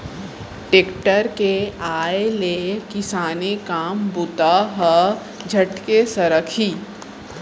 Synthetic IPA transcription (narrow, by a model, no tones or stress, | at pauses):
ʈeːkʈəɾkeaːelekɪsaːnekaːmbʊt̪aɦə | d͡ʒʱɐʈkesɐɾəkʰiː